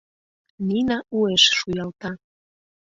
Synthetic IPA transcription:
ninɑueʃʃujɑlt̪ɑ

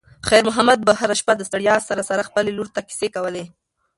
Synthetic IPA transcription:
xajɾmʊɦamad̪̚baɦaɾaʃpad̪əst̪aɽjɑsaɾasaɾaxpəleluɾt̪aki̥sekawəle

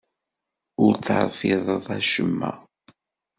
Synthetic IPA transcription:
ʊɾθʕfɪðˤəðˤæʃəmːæ̰

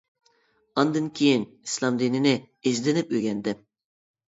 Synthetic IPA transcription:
ɑnd̪ɨnkʲʰijinislˠɑmd̪ininɪ | ezlenɪpøɡʲɛnd̪ɪ

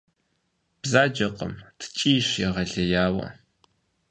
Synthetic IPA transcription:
b̥zaːd͡ʒɐqə̰mtʰɨ̥t͡ʃʼiːɕjɛʁɐɮɐjaːwɐ̰

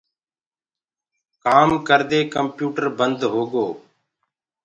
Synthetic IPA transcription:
kaːmkəɾd̪eːkəmpjuːʈəɾbənd̪ɦoːɡoː

